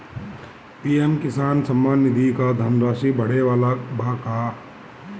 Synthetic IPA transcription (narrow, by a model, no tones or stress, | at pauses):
piːemkɪsaːnsɐmːaːnːɪd̪ʱikad̪ʱaːnɾaːʃibɐɽ̤eʋaːlabʱaːkaː